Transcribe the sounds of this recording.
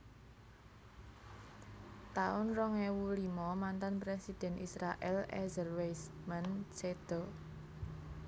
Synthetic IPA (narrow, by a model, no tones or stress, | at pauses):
t̪aʊnrɔŋewulimɔmant̪anpɾesid̪̥ɛ̤nisɾaʔɛ̰lɛ̰zəlwejs | mant͡ʃed̪̥ɔ